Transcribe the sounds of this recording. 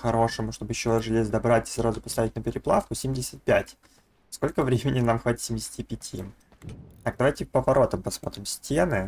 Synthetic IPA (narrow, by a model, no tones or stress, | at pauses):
xɐɾo̞ʂɨmʊʂt̪o̞bɨjɪɕːoʐɨlʲezʲd̪ɐbɾatʲɪ̥sɾazʊpɐst̪avʲɪtʲnəpʲɪɾʲɪplˠa̰fkʊsʲemʲdʲɪsʲə̥t̪̚pʲætʲ | skolʲkəvɾʲemʲɪnʲɪnamxvatʲɪ̥t̪sʲɪmʲɪdʲɪsʲtʲɪpʲɪtʲʰi | t̪ak̚d̪ɐvajtʲɪpəvɐɾo̞t̪əmpɐsmo̞̰t̪ɾʲɪmsʲtʲenɨ